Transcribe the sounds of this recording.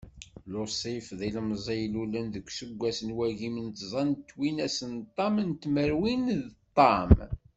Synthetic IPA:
losˤifðilmzˤijlulənðəkʷːsəɡʷːæsənwæʝimənt̪zˤɑnt̪ːwinæsənt̪ˤːɑmənt̪məɾwinðt̪ˤːɑm

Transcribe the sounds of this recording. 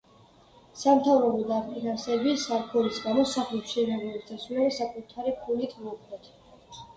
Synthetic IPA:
samt̪ʰavɾɔbɔd̪aɾpʼinasɛbisaɾkʰɔɾisɡamɔsaχlɛpʃinɛbulit̪sʰasulɛbasakʼut̪ʰaɾipʰulit̪ʰmɔukʰlɛt̪ʰ

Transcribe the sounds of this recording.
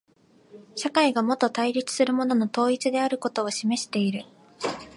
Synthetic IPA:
ɕakaiɡamo̞t̪o̞t̪aiɾʲit͡sɨ̥sɨɾɯ̟mo̞no̞not̪o̞ːit͡sɨd̪e̞aɾɯ̟ko̞t̪o̞ːɕime̞ɕi̥t̪e̞iɾɯ̟

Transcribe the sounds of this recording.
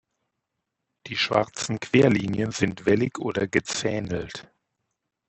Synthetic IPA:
d̥iːʃv̥a̰ʁt͡sn̩kv̥eːɐliːnjənzɪntv̥ɛlɪçʔoːdɐɡət͡sɛːnl̩t

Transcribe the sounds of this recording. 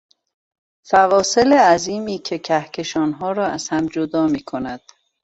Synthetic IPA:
fævɒːseleæziːmiːcʰe̞cʰæhcʰe̞ʃɒːnɦɒːɾɒːæz̥hæmd͡ʒod̪ɒːmiːkʰo̞næd̪̥

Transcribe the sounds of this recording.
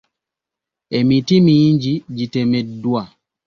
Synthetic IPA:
emitimiːɲɟiɟitemɛdwa

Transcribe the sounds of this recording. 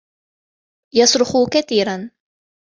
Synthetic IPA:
jɑsˤɾʊxuːkaθiːɾan

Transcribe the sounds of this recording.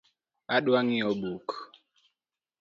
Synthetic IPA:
aɗwaŋiɔɓuk

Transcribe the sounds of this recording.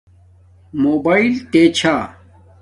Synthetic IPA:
moːbailt̪et͡ɕʰaː

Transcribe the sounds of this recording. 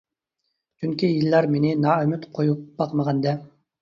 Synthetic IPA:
t͡ʃʰyŋkʲijilːɑɾmenɪnɑːømyt̪qʰojup̚b̥ɑqməʁɑnd̪ɛ

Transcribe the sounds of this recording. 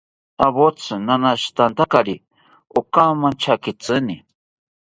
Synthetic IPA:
aβot͡sɨnanaʃt̪ant̪akaɾi | okamãnt͡ʃʰakit͡sɨni

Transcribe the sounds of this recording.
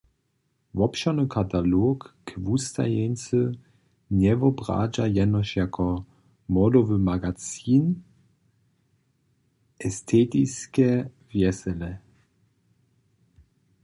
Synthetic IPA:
vɔpʃanɨkʰat̪alokːvust̪a̰jɛnt͡sə | ɲɛvɔbʁa̰ːd͡ʒajɛnɔʃjakʰɔ | mɔdɔvəmaɡat͡siːn | ʔɛst̪ʰɛːt̪iskɛ | vjɛsɛlɛ

